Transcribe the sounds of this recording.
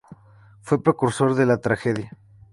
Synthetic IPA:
fwepɾekuɾso̞ɾðelat̪ɾaxeðja

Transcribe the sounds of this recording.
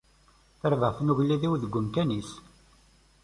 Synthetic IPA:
θəɾvəʁθnuʝlːiðiwðəɡʷːʊmkænis

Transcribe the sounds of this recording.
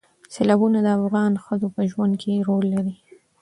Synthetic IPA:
selɑbunad̪əafɣɑnxəzopəʒwand̪̚kʰeɾolːaɾi

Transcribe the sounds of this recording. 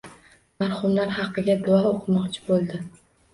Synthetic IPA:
maɾhʊmlaɾhɑqːɨɡʲad̪ʊaoqʰɨmɒqt͡ʃʰɪ̥bolˠd̪ɪ

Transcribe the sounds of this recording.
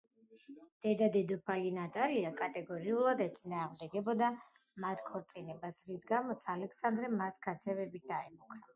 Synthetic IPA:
d̪̥ɛd̪ad̪ɛd̪ɔpʰalinat̪ʼaliakʼat̪ʼɛɡɔɾiulˠad̪ɛt̪sʼinaːʁmd̪ɛɡɛbɔd̪a | mat̪ʰkʰɔɾt̪sʼinɛbasɾisɡamɔt̪sʰalɛkʰsand̪ɾɛmasɡat̪sʰɛvɛbit̪̚d̪̥aɛmukʰɾa

